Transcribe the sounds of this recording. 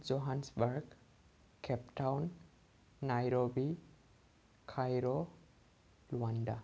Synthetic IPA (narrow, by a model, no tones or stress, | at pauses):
zɔɦansbaɹɡ | kʰɛptawnː | ajɾobi | kʰajɾɔ | luanda